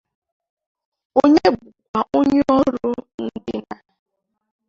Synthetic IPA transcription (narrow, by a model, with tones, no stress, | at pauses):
o˦ɲe˦bʊ˨k̚ʷa˨ʔo˦ɲe˦ɔ˦ɾʊ˦n̩˦dɪ˦na˨